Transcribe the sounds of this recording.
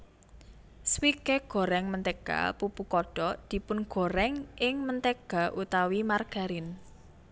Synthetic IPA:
swikeɡ̥ɔ̤ɾɛŋmənt̪ɛɡ̥a̰pupukɔɖ̥ɔd̪̥i̤pʊnɡ̥o̤ɾɛŋʔɪŋmənt̪eɡ̥a̤ʔut̪awimarɡ̥a̤ɾɪn

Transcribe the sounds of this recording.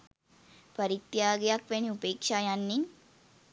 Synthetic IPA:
pɐɾit̪jaːɡejakʋeniupeːkʃaːjanːiŋ

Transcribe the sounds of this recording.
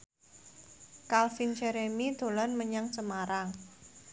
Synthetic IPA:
kalfint͡ʃeɾemid̪̥o̤lɔnməɲaŋsəmaɾaŋ

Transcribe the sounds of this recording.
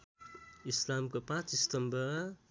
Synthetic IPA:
islamkopãt͡ʃdistʌmbə

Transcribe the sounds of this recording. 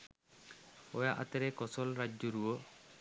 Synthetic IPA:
ɔjaʔa̰t̪ɛɾɛkɔsɔlɾad͡ʒɔɾuɔ

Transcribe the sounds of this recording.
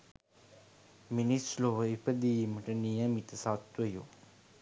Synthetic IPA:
minisloʋɐipɐd̪ijimɐʈɐnijɐmit̪ɐsat̪ʋɐju

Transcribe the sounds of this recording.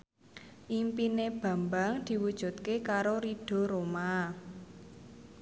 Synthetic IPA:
ʔimpineb̥a̤mbaŋd̪̥i̤wud̥ʒ̥ṳt̪̚kekaɾoɾiɖ̥ɔ̤ɾoma

